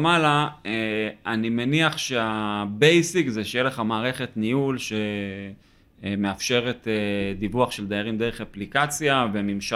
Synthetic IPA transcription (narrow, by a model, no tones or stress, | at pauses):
malaeanimeniaχʃeabejsikzeʃejeleχamaːʁe̞χe̞tniulʃe̞ | me̞afʃe̞ʁe̞ted̪ivuaχʃe̞ld̪ajaʁimd̪e̞ʁeχaplikat͡sjave̞mimʃa